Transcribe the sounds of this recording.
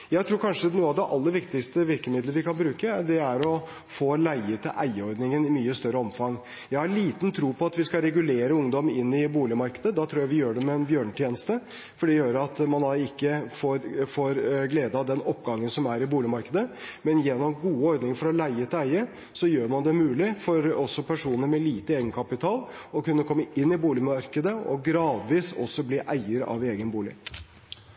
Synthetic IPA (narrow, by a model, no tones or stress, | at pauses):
jæɪt̪ʰɾuːɾkʰɑnʂənuːɑʋd̪ɛʔɑlːəɾʋɪkt̪ɪkst̪əʋɪɾkəmɪd̪ləʋɪkʰɑnbɾʉːkəɖ̪ɛæɾɔ | foːlæɪət̪ʰɪlʔæɪəɔɾd̪nɪŋənɪmyːəst̪œɾəɔmfɑŋ | jæɪhɑɭiːt̪nt̪ʰɾuːpʰɔɑt̪ʋɪskɑɾɛɡʉleːɾəʊŋd̪ɔmɪnːɪbuːlɪmɑɾkəd̪əd̪ɑt̪ʰɾuːjæɪʋɪjøːɖɛmɛnbjøːɳt̪ʰjeːnəst̪ə | fɔɖɛjøːɾəɑt̪mɑnd̪ɑɪkːəfoːɾfoːɾɡleːd̪əɑd̪ɛnɔpːɡɑŋːənsɔmæɾɪbuːlɪmɑɾkəd̪əmɛnjɛnːɔmɡuːəɔɾd̪nɪŋəfɔɾɔlæɪət̪ʰɪæɪə | sɔjøːɾmɑnd̪ɛmʉːlɪfɔɾɔsːɔpʰæʂuːnəɾmɛliːt̪əeːɡənkʰɑpɪt̪ʰɑːl | ɔkʉnːəkʰɔmːəɪnːɪbuːlɪmɑɾkəd̪əɔ̰ɡɾɑːd̪ʋiːsɔ̰sːɔbliːʔæɪəɾɑ̰ʋeːɡənbuːlɪ̰